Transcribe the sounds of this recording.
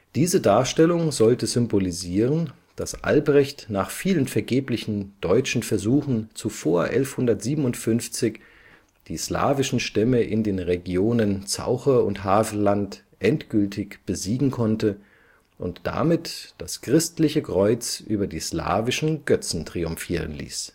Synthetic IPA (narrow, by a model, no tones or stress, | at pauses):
d̥iːzədaːɐʃtɛlʊŋzɔltəzʏmboliziːʁən | d̥asʔa̰lbʁɛçtnaːχfiːlənfɛɐɡeːplɪçn̩d̥ɔʏt͡ʃn̩fɛɐzuːxn̩t͡sufoːɐʔɛlfhʊndɐtz̥iːbəm̩ʊntfʏnft͡sɪç | d̥iːsla̰ːvɪʃn̩ʃtɛməʔɪ̰ndeːnʁeɡjoːnənt͡sa̰ʊxɐʊntɦaːz̩lant | ʔɛntɡ̥ʏltʰɪçb̥əziːɡŋ̩kʰɔntə | ʔʊntd̥a̰mɪtd̥askʁ̥ɪstlɪçəkʁ̥ɔʏt͡sʔyːbɐdiːsla̰ːvɪʃn̩ɡ̥œt͡sn̩tʁ̥iʊmfiːʁ̞ənlḭːs